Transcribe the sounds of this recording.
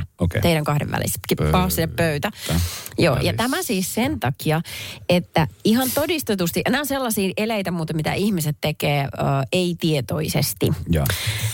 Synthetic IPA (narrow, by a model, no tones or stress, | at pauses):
oḛeiɾæŋkɑhdḛʋæ̰lḭse̥t̪kipɑːsːiseppøyt̪æjo̰ːjɑt̪æmæsiːssent̪ɑkiɑet̪ːæiɦɑnt̪odist̪et̪ust̪iʔenæːonselːɑsiːʔeleit̪æmuːt̪ɑmit̪æ̰ʔihmiset̪tekeːøːeit̪iet̪oisḛst̪i